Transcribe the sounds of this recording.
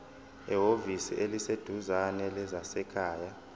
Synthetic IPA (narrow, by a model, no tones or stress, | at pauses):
ɛɦovisiʔelised̥ʱuzanɛlɛzasɛkʰaːja